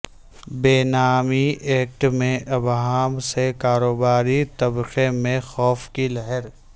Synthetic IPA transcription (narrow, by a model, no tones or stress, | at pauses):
beːnaːmiʔeːk̚ʈmẽʔɐbɦaːmsekaːɾoːbaːɾit̪ɐbqemẽxɔːfkilɐɦəɾ